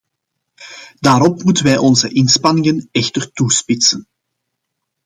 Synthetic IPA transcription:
d̥aːɾɔpmutənʋɛjʔɔnzəʔɪnspɑnɪŋənɛxtərtuspɪtsən

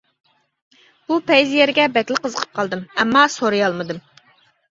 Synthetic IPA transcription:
b̥upʰɛjzjɛɾɡʲɛbɛkʲlˠɪqəzəqʰə̥p̚qʰɑlˠd̪ɨmɛmːɑsoɾɨjɑlˠmɨd̪ɨm

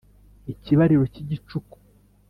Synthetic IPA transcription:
iciβaɾiɾo̞ciɟit͡ʃuku̥

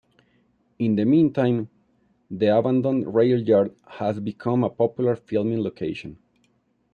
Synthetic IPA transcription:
ĩnd̪əmĩntʰãj̃m | ðiabãnd̪ɔ̃nɹejaljaɹd̪ | hazbikʰʌ̃mapɔpjulaɹfilˠmĩŋlokʰejʃɔ̃n

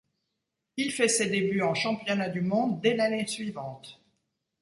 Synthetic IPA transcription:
ilfɛsed̪ebyɑ̃ʃɑ̃pjɔnad̪ymɔ̃d̪ːɛlanesɥivɑ̃t̪

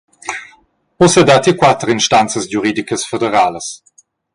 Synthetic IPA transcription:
ɔsɛd̪at̪ikwat̪ɾinʃtant͡səsjuɾiːdikəsfedeɾaːləs

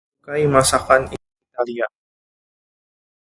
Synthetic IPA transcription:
kajmasakani | it̪alia

